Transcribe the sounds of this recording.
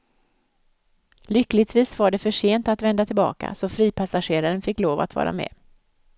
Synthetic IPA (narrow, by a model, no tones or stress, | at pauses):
lʏklɪt̪viːsvaɖɛfœʂeːnt̪at̪vɛnd̪at̪ʰɪlbɑ̰ːka̰sɔfɾiːpʰasaɧeːɾaɾənfɪkːloːva̰t̪vɑ̰ːɾa̰mɛ̰ː